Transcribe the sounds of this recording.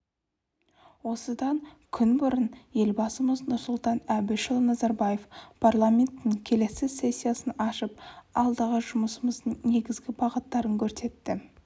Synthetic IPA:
wo̞səd̪ɑŋkʲʰʏnbʊɾənje̞lbɑsəməznʊɾsʊlˠt̪ɑnæbɪʃɪlˠnɑzɑɾbaje̞fpʰarlˠamʲe̞nt̪ːɪŋkʲʰe̞le̞sɪsːe̞sʲːijasənɑʃəp̚ɑlˠd̪ɑʁəʒʊməsəməzd̪əɴne̞ɡʲɪzɡʲɪpʰɑqət̪ːɑɾəŋkʲʰɵɾse̞t̪ːɪ

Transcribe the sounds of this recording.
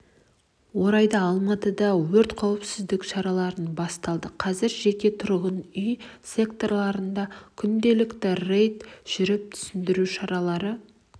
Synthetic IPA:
wo̞ɾɑjd̪ɑːlˠmɑt̪əd̪ɑwɵɾt̪qʰɑwəpsɪzd̪ɪkʃɑɾɑlˠɑɾənbɑst̪ɑlˠd̪əqʰɑzɪɾʒe̞kʲe̞t̪ʰʊɾʁənʏjse̞kt̪o̞ɾlˠɑɾənd̪ɑkʲʰʏnd̪e̞lɪkt̪ɪre̞jt̪ʒ̥ʏɾɪp̚t̪ʰʏ̥sɪnd̪ɪɾuʃɑɾɑlˠɑɾə

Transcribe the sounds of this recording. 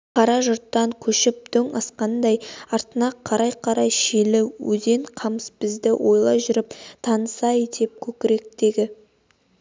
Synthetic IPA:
qʰɑɾɑʒʊɾt̪ːɑŋkʲʰɵʃɪp̚d̪̥ɵŋɑsqɑnd̪ɑjɑɾt̪ənɑqʰːɑɾɑjqʰɑɾɑjʃelɪwɵ̰ze̞ɴqʰɑməsbɪzd̪ɪwo̞jlˠɑjʒʏɾɪp̚t̪ʰɑnəsɑjet̪ʰe̞p̚kʲʰɵkʲɪɾe̞k̚d̪̥e̞ɡʲɪ

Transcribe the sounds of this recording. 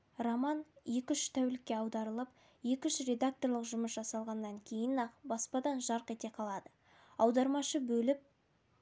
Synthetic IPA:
romɑnje̞kʲʏʃt̪ʰæwlɪkʲːe̞ɑwd̪ɑɾəlˠəp | je̞kʲʏʃɾe̞d̪ak̚t̪o̞rlˠəqʒʊməsʒɑsɑlˠʁɑnːɑŋkʲʰe̞jɪnɑqbɑspɑd̪ɑnʒɑɾqe̞t̪e̞qʰɑlˠɑd̪ə | ɑwd̪ɑɾmɑʃəbɵlɪp̚

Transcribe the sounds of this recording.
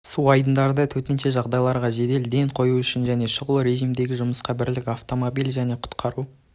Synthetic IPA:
suɑjd̪ənd̪ɑɾd̪ət̪ʰɵt̪ɪnʃe̞ʒɑʁd̪ɑjlˠɑɾʁɑʒe̞d̪e̞ld̪e̞ɴqʰo̞juʏʃɪnʒæne̞ʃəʁəlˠəɾe̞ʒimd̪e̞ɡʲɪʒʊməsqɑbɪɾlɪkʲaft̪o̞mobilʒæne̞qʰʊ̥t̪qʰɑɾu

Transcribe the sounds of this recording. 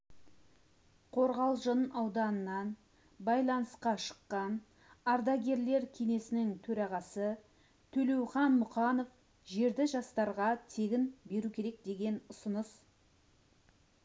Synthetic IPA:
qʰo̞ɾʁɑlˠʒənɑwd̪ɑnənːɑn | bɑjlˠɑnəsqɑʃə̥qːɑn | ɑɾd̪ɑɡʲe̞ɾle̞ɾkʲʰe̞ne̞sɪnɪŋt̪ʰɵɾɑʁɑsə | t̪ʰɵle̞wχɑnmʊχɑno̞f | ʒe̞ɾd̪ɪʒɑst̪ɑɾʁɑt̪ʰe̞ɡʲɪnbe̞ɾukʲʰe̞ɾe̞k̚d̪e̞ɡʲe̞nʊsənəs

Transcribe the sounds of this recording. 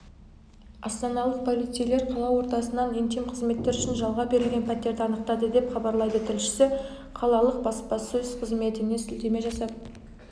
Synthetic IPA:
ɑst̪ɑnɑlˠəq̚pʰo̞lˠit̪sijle̞ɾqʰɑlˠɑwo̞ɾt̪ɑsənɑnent̪emqʰəzme̞t̪ːe̞ɾʏʃɪnʒɑlˠʁɑbe̞ɾɪlɡʲe̞npʰæt̪e̞ɾd̪ɪɑnəqt̪ɑd̪əd̪e̞pχɑbɑɾlˠɑjd̪ət̪ʰɪlʃɪ̥sɪ | qʰɑlˠɑlˠəq̚bɑspɑsəʏz̥qʰəzme̞t̪ɪne̞sɪld̪e̞me̞ʒɑsɑp̪̚

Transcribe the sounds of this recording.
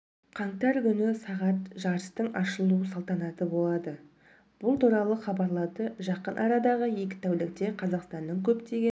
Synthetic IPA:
qʰɑɴt̪ɑɾkʲʏnɪsɑʁɑt̪ʒɑɾəst̪əɴɑʃəlˠuəsɑlˠt̪ɑnɑt̪əbo̞lˠɑd̪ə | b̥ʊlˠt̪uɾɑlˠəχɑbɑɾlˠɑd̪əʒɑqənʔɑɾɑd̪ɑʁəje̞kʲɪ̥t̪ʰæwlɪk̚t̪e̞qʰɑzɑqst̪ɑnːəɴkʲʰɵpt̪e̞ɡʲe

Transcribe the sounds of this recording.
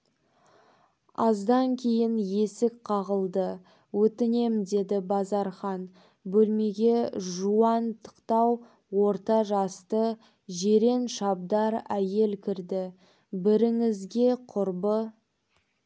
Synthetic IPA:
ɑ̰zd̪ɑŋkʲʰe̞jɪnje̞sɪk̚qʰɑʁəlˠd̪ə | wɵt̪ɪne̞md̪e̞d̪ɪbɑzɑɾχɑn | bɵlme̞ɡʲe̞ʒuɑnt̪ʰə̥qt̪ɑw | wo̞ɾt̪ɑʒɑst̪ə | ʒe̞ɾe̞nʃɑb̚d̪ɑɾæje̞lkʲʰɪɾd̪ɪ | bɪɾɪŋɪzɡʲe̞qʰʊɾbə

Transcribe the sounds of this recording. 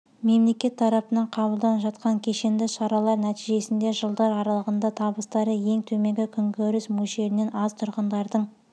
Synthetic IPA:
me̞mle̞kʲe̞t̪ʰːɑɾɑpənɑɴqʰɑβəlˠd̪ɑnəpʒɑt̪̚qɑŋkʲʰeʃe̞nd̪ɪʃɑɾɑlˠɑɾnæt̪iʒe̞sɪnd̪e̞ʒəlˠd̪ɑɾɑɾɑlˠəʁənd̪ɑt̪ʰɑbəst̪ɑɾəje̞ŋt̪ʰɵme̞ŋɡʲɪkʲʰʏŋɡʲɵɾɪsmuʃe̞ɾɪne̞nɑzt̪ʰʊɾʁənd̪ɑɾd̪əɴ

